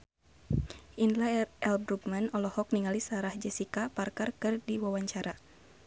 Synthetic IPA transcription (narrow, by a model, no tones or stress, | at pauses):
ʔindlaɛlbɾuɡmanɔlɔhɔk̚niŋalisaɾahd͡ʒɛsikaparkarkɨrdiwawaɲt͡ʃaɾa